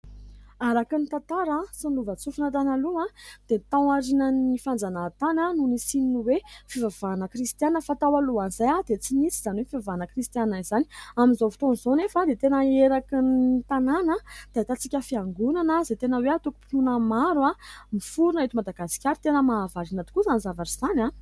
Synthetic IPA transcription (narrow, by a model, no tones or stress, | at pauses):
aɾakinit̪ãt̪aɾasinluvət͡sufunat̪̬analuãd̪̥et̪ãwaɾinənifand͡zanaːt̪anənunisininiwefivavanəkrist̪janːəfat̪awaluanzajad̪et͡simit͡si̥z̥aniwefivavanəkrist̪ijanaizaniaminzofi̥t̪onzonefad̪et̪enəeɾakiniit̪ananəd̪̥at̪at͡sikʲəfiaŋɡunanəzet̪enəweat̪uku̥pit̪unəmaɾuamifuɾunaet̪imad̪aɡasi̥kʲaɾit̪enəmavaɾinat̪i̥kuzanizavaʈ͡ʂiz̥ana